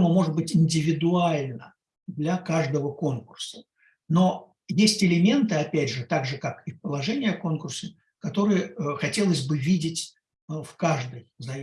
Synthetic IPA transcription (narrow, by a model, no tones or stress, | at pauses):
mʊmo̞ʐɨd̪̚bɨtʲɪnʲdʲɪvʲɪd̪ʊalʲnə | d̪lʲɐkaʐd̪əvəko̞nkʊrsə̥ | no̞ | jesʲtʲɪlʲɪmʲe̞nt̪ɨɐpʲædʲʐɨt̪aɡʐɨkakɪfpəlˠɐʐɛnʲɪjəko̞nkʊrsə | kɐt̪o̞ɾɨjəxɐtʲe̞lˠəsʲbɨvʲidʲɪtʲ | fkaʐd̪əjzɐ